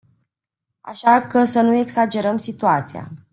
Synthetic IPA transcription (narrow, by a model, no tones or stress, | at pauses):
a̰ʃakəsənue̞ksad͡ʒe̞ɾəmsit̪uat̪sia̰